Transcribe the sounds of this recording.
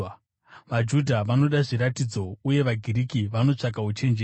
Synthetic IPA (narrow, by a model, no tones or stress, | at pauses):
ʋad͡ʒudʱaʋano̞ɗaʐiɾatid͡zo̞uje̞ʋaɡʱiɾikiʋano̞t͡ʂak̬aut͡ʃe̞nd͡ʒeː